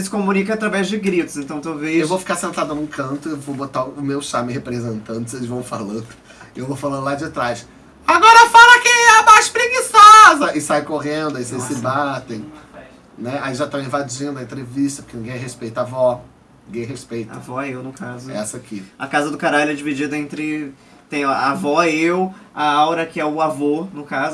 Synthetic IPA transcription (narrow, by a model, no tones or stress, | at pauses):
sɪ̥komunikɐat̪ɾavɛzd͡ʒɪɡɾit̪ʊ̥szẽnt̪ɐ̃w̃t̪ẽwveewvowfi̥kaɾsẽnt̪ad̪ʊnũkɐ̃nt̪ʊewvowbot̪aʊʊmewʃamɪhepɾezẽnt̪ɐ̃nt̪ɪzelɪzvɐ̃w̃falɐ̃d̪ʊ | ewvofalɐ̃nd̪lad͡ʒɪt̪ɾajs | aɡɔɾɐfalɐkeɐmajʃpɾeɡisɔzɐʔɪsajkoʁẽnd̪ʊaisesɪbat̪ẽj̃ | nɛaiʒat̪ãĩvad͡ʒĩnd̪ʊɐẽnt̪ɾeviʃt̪ɐpo̥kenĩɡẽj̃ɛɦhespejt̪avɔnniĩɡẽj̃ɦespejt̪a̰vɔɛewnʊkazʊɛsɐakiɐkazɐd̪ʊkaɾallʊɛd͡ʒivid͡ʒid̪ɐẽnt̪ɾɪ | t̪ẽj̃avɔɛewaawɾɐkɪɛʊavonʊkazʊ